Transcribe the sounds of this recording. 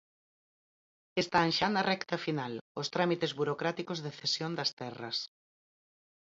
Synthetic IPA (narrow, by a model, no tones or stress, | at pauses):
est̪ãnʃanɐrʔɛkt̪ɐfinalost̪ɾamit̪ezβuɾokɾat̪ikozðeθesjond̪ɐst̪ɛrɐ̰s